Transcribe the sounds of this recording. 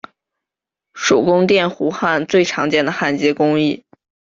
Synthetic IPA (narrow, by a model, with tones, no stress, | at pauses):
ʂo˨˩ʊkʊ˥ŋt̪jɛ˥˩nxu˧˥xa˥˧nt͡swe˥˩ɪʈ͡ʂʰɑ˧˥ŋt͡ɕjɛ˥˩nd̪ə˩xa˥˩nt͡ɕjɛ˧˥kʊ˥ŋi˥˩